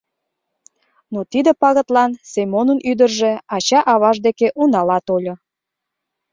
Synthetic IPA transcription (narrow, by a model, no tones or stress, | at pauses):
not̪id̪ə̆pɑɣə̆t̪lɑnsemonənyd̪ərʒĕɑt͡ɕɑʔɑβɑʒd̪ekeʔunɑlɑt̪olʲo